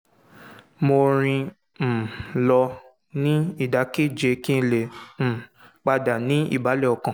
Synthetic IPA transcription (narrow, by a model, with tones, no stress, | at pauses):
mo˧ɾ̃ĩ˧ | m̩˨lɔ˧ | nĩ˦i˦˨da˨˦ke˦˨d͡ʒe˨˧˦kĩ˦n̩˦le˨m̩˨k͡pa˧da˨nĩ˨˦ḭ˦˨ba˨˦lɛ˦˨ɔ˨kã˨